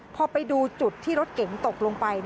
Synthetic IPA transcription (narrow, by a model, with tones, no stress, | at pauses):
pʰɔː˧pa˧jduː˧t͡ɕu˨˩t̪ʰːiː˥˩ɾo˦˥t̪̚ke˩˦ŋt̪o˨˩k̚loː˧ŋpa˧jd